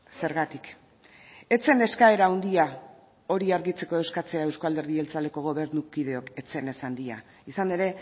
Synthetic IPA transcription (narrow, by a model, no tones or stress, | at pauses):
se̞ɾɣat̪ik | e̞t͡se̞ne̞skae̞ɾaund̪ia | o̞ɾiaɾɣit͡se̞ko̞e̞wskat͡se̞ae̞wskoald̪eɾðie̞lt͡sale̞ko̞ɣ̞o̞β̞e̞ɾnukið̞e̞o̞ke̞t͡se̞ne̞sand̪ia̰ | isane̞ɾe̞